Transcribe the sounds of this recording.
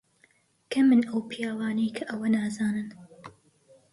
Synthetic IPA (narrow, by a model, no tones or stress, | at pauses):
kʰɐmɨnɐwpʰijaːwaːnɐjkʰɐʔɐwɐnaːzaːnɨn